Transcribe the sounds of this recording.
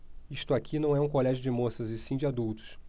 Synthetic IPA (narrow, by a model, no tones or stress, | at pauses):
iʃt̪ʊakʰinɐ̃w̃ɛũkolɛʒʊd͡ʒɪmosɐzɪsĩd͡ʒɪad̪uwt̪ʊ̥s